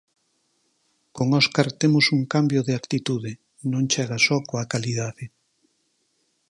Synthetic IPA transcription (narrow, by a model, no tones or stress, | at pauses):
koŋɔskaɾt̪emʊsuŋkambjoðeakt̪it̪uðɪ | nõŋt͡ʃɛɣasɔkoakaliðaðe